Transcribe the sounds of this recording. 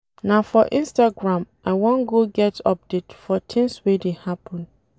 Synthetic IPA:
nafɔʔĩnstaɡɹãmʔaɪwɔ̃nɡoɡɛtʰɔp̚detfɔtʰĩŋswedehapʰɔ̃n

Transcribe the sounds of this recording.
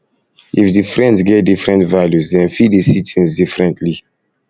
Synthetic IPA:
ifdifɹɛ̃ndsɡɛt̚difɹɛ̃ntvaljusdɛ̃nfidisitʰĩnsdifɹɛ̃ntʰli

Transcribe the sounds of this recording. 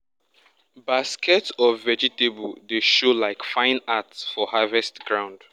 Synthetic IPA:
baskʰɛtsɔvɛd͡ʒitebɔdeʃolaɪkfãɪ̃natsfɔhavɛstɡɹãʊ̃nd̥

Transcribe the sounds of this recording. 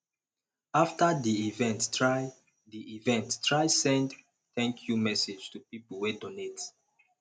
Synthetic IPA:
aftadiivɛ̃nttɹaɪ | diivɛ̃ntːɹajsɛ̃nd | t̪ɛ̃ŋkʰjumɛsed͡ʒtupipl̩ˠwedonet

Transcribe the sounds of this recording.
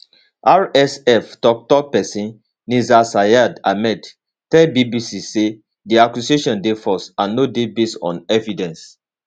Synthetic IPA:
aɹɛsɛftɔk̚tɔpɛsĩn | nizasajadamɛd | tɛbibisise | diakjuseʃɔ̃ndefɔsãnːodebestɔ̰̃nɛvidɛ̃ns

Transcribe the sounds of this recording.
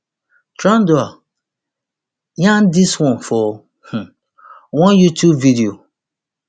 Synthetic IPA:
tɾãndoa | jãndiswɔ̃nfɔ | h̩ | wɔ̃njutjubvidio

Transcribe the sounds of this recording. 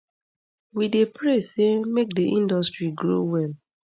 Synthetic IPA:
widepɹesemek̚deʔĩndɔstɹiɡɹo̰wɛl

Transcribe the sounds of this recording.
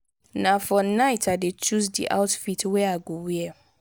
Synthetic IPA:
nãfɔnaɪtʰadet͡ʃus̬dḭʔa̰ʊtfitʰwɛaɡowiɛ

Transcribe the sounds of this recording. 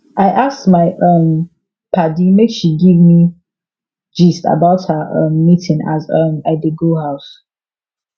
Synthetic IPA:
ʔaɪʔasmaɪʔʌ̃m | pʰadimekʃiɡivmi | d͡ʒista̰baʊthəʔʌ̃mːitʰɪ̃ŋa̰zʌ̃madeɡohaʊs

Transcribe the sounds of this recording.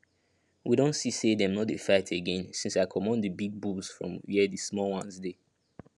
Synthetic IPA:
widõntsisedɛ̃mnɔt̚defaɪtʰeɡɛ̃nsĩnsaɪkʰɔmɔ̃ndəbiɡ̚bulz̥fɹɔ̰̃mjidismɔlwãnsde

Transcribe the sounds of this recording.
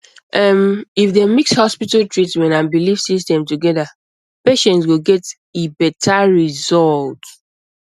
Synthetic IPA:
ʔɛmifðemikshɔspitaltʰɹitmɛ̃ntãnbilifsistɛ̃mtuɡɛða | peʃɛ̃ntswɪɡɛt | ebɛtʰaɹizɔlt

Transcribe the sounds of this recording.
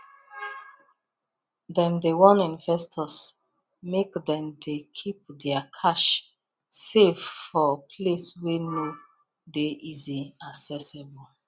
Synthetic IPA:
dɛ̃mdewɔ̃nĩnvɛstʰɔs | mekdɛ̃mdekʰip̚dɛakʰaʃ | sevfɔpʰlesweno | deʔiziasɛsebl

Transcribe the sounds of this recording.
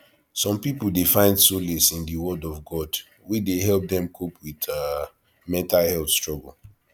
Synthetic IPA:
sɔ̃mpipoldefãɪ̃ndsolesĩndiwɔdɔvɡɔd | wideɦɛlp̚dɛ̃mkʰopʰwiða | mɛ̃ntalhɛlθstɹɔɡəl̩

